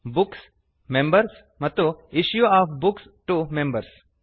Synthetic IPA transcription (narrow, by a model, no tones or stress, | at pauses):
buks | mẽmbɐɾs | mɐt̪ːuiʃjuaːfbuks | ʈumẽmbɐɾs